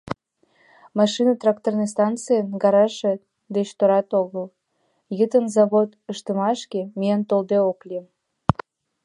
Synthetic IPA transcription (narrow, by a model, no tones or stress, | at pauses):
mɑʃinət̪rɑkt̪ornes̬t̪ɑnt͡sɨjənɡɑɾɑʃe | d̪et͡ɕt̪oɾɑt̪oɣəl | jət̪ənzɑβot̪əʃt̪əmɑʃkemiənt̪old̪eoklim